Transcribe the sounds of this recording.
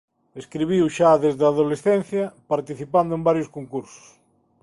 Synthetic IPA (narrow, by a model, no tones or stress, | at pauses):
eskɾiβiwʃaðezðaðolesθɛ̃n̟θjɐpaɾt̪iθipand̪oẽmbaɾjʊskoŋkuɾsʊ̥s